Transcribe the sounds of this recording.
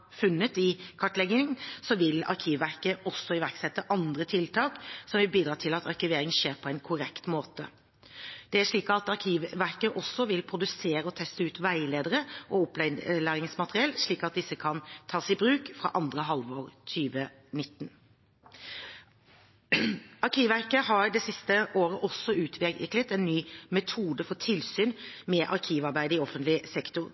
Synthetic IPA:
fʉnːət̪ɪkʰɑʈlɛɡɪŋsɔʋɪlɑ̰ɾkʰiːʋʋæɾkəʔɔsːɔɪʋæɾksɛt̪ːəʔɑnd̪ɾət̪ʰɪlt̪ʰɑːksɔmʋɪlbiːd̪ɾɑːt̪ʰɪlɑt̪ɑʁkɪʋeːɾɪŋəʂeːɾpʰɔɛɪnkʰʊɾɛkt̪moːt̪ə̰ | d̪̥ɛæʂɭiːkɑt̪ɑʁkʰiːʋʋæɾkəʔɔsːɔʋɪlpʰɾʊd̪ʉseːɾəɔt̪ʰɛst̪əʉːt̪ʋæɪleːd̪əɾəʔɔʊplæːɾɪŋsmɑt̪əɾɪɛlːʂɭiːkɑt̪̚d̪ɪsːəkʰɑnt̪ʰɑːsɪbɾʉːkfɾɑ̰ʔɑnd̪ɾəɦɑlʋoːɾt̪ʰyːʋə | nɪt̪ːn | ɑɾkʰiːʋʋæɾkəhɑɾd̪ɛsɪst̪əʔoːɾəʔɔsːɔʉːt̪ʰʋɪklət̪ɛnːyːmɛt̪ʰuːd̪əfɔʈʰɪlsyːnmɛʔɑɾkʰiːʋɑɾbæɪd̪əɪɔfːənt̪lɪsɛkt̪ʊɾ

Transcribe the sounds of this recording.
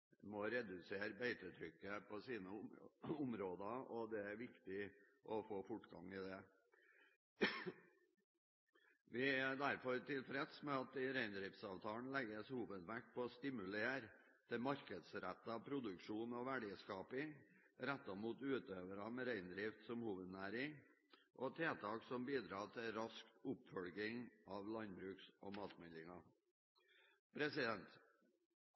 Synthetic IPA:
mɔɾɛd̪ʉseːɾbeɪt̪ət̪ʰɾʏkːəpʰɔsiːnəʊmɾoːd̪ɑɔd̪ɛæɾʋɪkt̪ɪ | ʔɔfoːfʊʈɡɑ̰ŋɪd̪ɛ | ʋɪd̪æɾfɔɾt̪ɪlfɾɛd̪smɛɑt̪ɪɾæɪnd̪ɾɪft̪sɑːʋt̪ʰɑːn̩lɛɡəshuːʋəd̪ʋæɾk̚pʰɔːst̪ɪmʉleːɾ | d̪̥ɛmɑɾkəd̪sɾæ̰t̪ːəɑpʰɾʊd̪ʉkʂuːnɔʋæɖiːskɑːpɪŋ | ɾæt̪ːɑmuːt̪ʉːt̪øːʋəɾɑmɛɾæɪnd̪ɾɪft̪sɔmhuːʋəd̪næːɾɪŋ | ʔɔt̪ʰeːt̪ʰɑːksɔmbiːd̪ɾɑːt̪ʰɪlɾɑskʊpfœlɡɪŋɑʋlɑnbɾʉːksʔɔmɑːt̪mɛnɪŋɑ | pʰɾɛsɪd̪ɛnt̪

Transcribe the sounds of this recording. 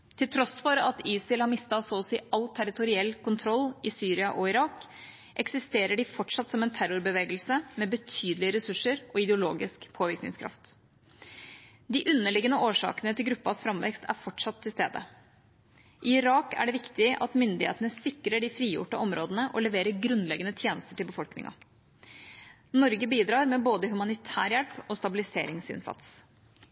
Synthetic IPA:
t̪ʰɪlt̪ʰɾɔsfɔɾɑt̪iːsɪlhɑɾmɪst̪ɑsoːsḭːɑlt̪ʰæɾɪt̪ʊɾɪɛlːkʊnt̪ʰɾɔlːɪsyːɾɪɑʔɔɪɾɑːk | ʔɛksɪst̪eːɾəɖɪfɔʈʂɑt̪sɔmɛnt̪ʰæɾʊɾbəʋeːɡəlsəmɛbət̪ʰyːd̪lɪəɾɛsʉʂːəɾʔɔɪd̪ɛʊloːɡɪskpʰoːʋɪɾknɪ̰ŋskʰɾɑ̰ft̪ | d̪ɪʔʉnːəɭɪɡənəʔoːʂɑ̰ːkənət̪ʰɪlɡɾʉpːɑsfɾɑmʋɛ̰kst̪ʰæ̰ɾfɔʈʂɑt̪ʰːɪlst̪ḛːd̪ə̰ | ʔɪɪɾɑːkæ̰ɖɛʋɪkt̪ɪəʔɑt̪mʏnd̪ɪhḛːt̪ənəsɪkːɾəɖɪfɾiːjʊ̰ʈəʔɔmɾoːd̪ənəʔɔlɛʋeːɾəɾɡɾʉnlɛɡənət̪ʰjeːnəst̪əʈɪlbəfɔlknɪ̰ŋɑ̰ | nɔɾɡəbiːd̪ɾɑːɾmɛboːd̪əɦʉmɑnɪt̪ʰæːɾjɛlpɔst̪ɑbɪlɪsḛːɾɪŋsɪ̰nsɑ̰t̪s

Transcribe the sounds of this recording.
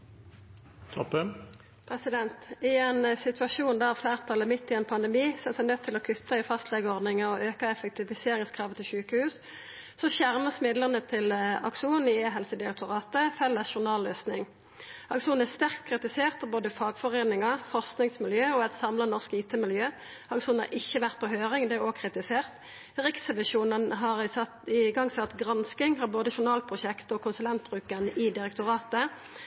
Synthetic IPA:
t̪ʰɔpːən | pʰɾɛsɪd̪ɛnt̪ɪɛnsɪt̪ʰʉɑʃuːnd̪æːʁæfleːʁt̪ʰɑlːəmɪt̪ːɪɛnpʰɑnd̪əmiːsɔɛsɛɪnœt̪ʰːɪlɔkʰʉt̪ːɑɪfɑst̪lɛɡəɔʁd̪nɪŋəɔʔøːkəɛfɛk̚t̪ʰɪʋɪseːɾɪŋskʰʁɑːʋət̪ʰɪlʃʉːkəhʉːs | sɔʃæʁməsmɪd̪ləʁnət̪ʰɪlɑ̰kʂuːn̩ɪeːɦɛlsəd̪ɪɑk̚t̪ʊʁɑːt̪əfɛlːəsʃʊʁnɑːløːsnɪŋ | ɑkʃuːnæʁst̪æʁkt̪̚kʰʁɪt̪ɪseːʁt̪pʰɑboːd̪əfɑːɡfɔʁeːnɪŋɑfɔʁsknɪŋsmɪljøːɔɛt̪sɑmlɑnɔʁskiːt̪ʰɛmɪljøː | ɑkʃuːnhɑ̰ɾɪçːəʋæʁt̪̚pɔɦøːʁɪŋd̪ɛæʁokʰʁɪt̪ɪseːʁt̪ | ʁɪksɛʋɪʂuːnənɦɑʁɪsɑt̪ɪɡɑŋːsɑt̪ɡʁɑnskɪŋhɑʁboːd̪əʃʊnɑːlpʰʁʊʃɛkt̪ɔkʰʊnsʉlɛnt̪̚bʁʉːkənʔɪd̪ɪʁɛk̚t̪ʊʁɑːt̪ə

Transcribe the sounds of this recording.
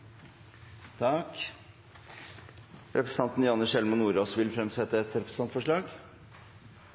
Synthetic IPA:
t̪ʰɑk | ɾʔɛpɾəs̩ɑnt̪n̩jɑnəɕɛlmənːuːɾoːsʋɪlfɾɛmsɛt̪ːəɛt̪ɾɛpɾsɑnt̪fɔʂɭɑːɡ

